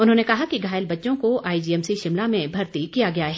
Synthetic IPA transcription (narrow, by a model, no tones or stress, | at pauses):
ʊnɦõnekɐɦakiɡʱaːɪlbɐtːʃõkoʔaːid͡ʒiːɛmsiʃɪmlamẽbʱɐɾt̪ikijaɡɐjaɦɛː